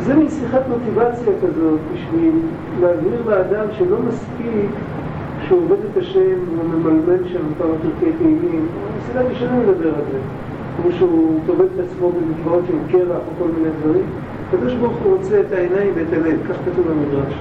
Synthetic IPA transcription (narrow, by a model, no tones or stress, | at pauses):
zemisiχatmo̞t̪ivat͡sjakazo̞t̪̚biʃvil | leaziʁleːd̪amʃelo̞maspik | ʃeuove̞d̪et̪aʃe̞mume̞malme̞nʃampamatiʁkejteimimamisad̪aʁiʃonaled̪abe̞ʁalze | kmoʃeutoved̪etat͡smo̞bemitvao̞tʃeemke̞ʁaχoko̞lminejdvaʁim | akad̪o̞ʃbaʁuχuʁo̞t͡se̞ːtaenajimbeet̪alevkaχkatuvemidʁaʃ